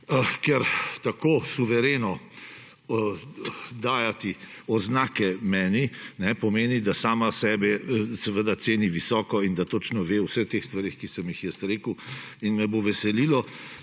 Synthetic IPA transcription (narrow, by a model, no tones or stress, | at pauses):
kɛɾt̪akoːsuʋɛɾeːnɔ | d̪aːjat̪iɔznaːkɛmɛːninɛpɔmeːnid̪asaːmasɛːbɛsɛʋəd̪at̪seːniʋisɔːkɔind̪at̪ot͡ʃnɔʋeːwsəxt̪eːxst̪ʋaɾeːxkisəmjixjɛst̪ɾeːkəw | inmɛboʋɛsɛlilɔ